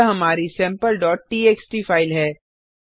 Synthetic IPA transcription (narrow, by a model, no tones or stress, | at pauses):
ɦɐmaːɾisɛ̃ːmpəlɖɔːʈ̚ʈiːeːksʈifaːɪlɦɛː